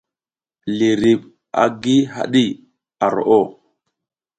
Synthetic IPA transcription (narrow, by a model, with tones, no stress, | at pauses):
li˨ɾi˨ɓ | a̰˨ɡi˦ɦa̰˦˨ɗi˦˨ | a˨ɾo̰˨ʔo˦˨